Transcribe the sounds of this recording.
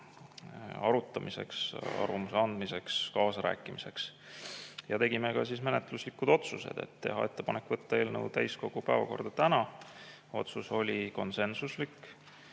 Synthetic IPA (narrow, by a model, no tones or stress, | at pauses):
ɑɾut̪ːˑɑmʔise̞̰ksɑ̰rvɑmuseɑnd̪̥mise̞kskɑːsɑɾæ̰ːkːˑimise̞ks | jɑt̪e̞ɡimekɑsismenet̪ˑluslikːˑud̪̥o̞t̪suse̞̰d̪̥e̞̰t̪ːe̞̰ɦɑ̰e̞t̪ˑːepɑnekːˑvɤt̪ːɑe̞ːlnəwt̪æjsko̞ɡ̥upæːvɑ̰ko̞̰rd̪̥ɑt̪ænɑ | o̞t̪suso̞lʲiko̞nse̞nsuslikː